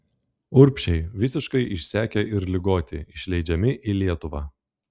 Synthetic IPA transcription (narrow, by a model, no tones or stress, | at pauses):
ʊɾʲpʲʃʲɛɪʋʲɪsʲɪʃkɐɪʔɪʃʲsʲæːkʲɛɪɾlʲɪɡoːt̪ʲɪɪʃʲlʲɛɪd͡ʒʲɛmʲɪʔilʲiɛt̪ʊʋɑ̰ː